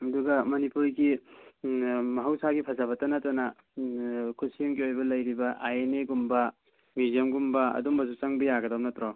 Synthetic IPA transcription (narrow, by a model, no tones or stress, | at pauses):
ɐduɡɐmɐnipuɾɡi | mɐɦɐwsaɡipʰazabɐtɐnɐtɐnɐ | kʰusiuŋɡiojbɐlɐjɾibɐʔajeneɡumbɐ | mizemɡumbɐɐ̰dumbɐzut͡ʃaŋbɐjaɡɐdawnɐtɾɔ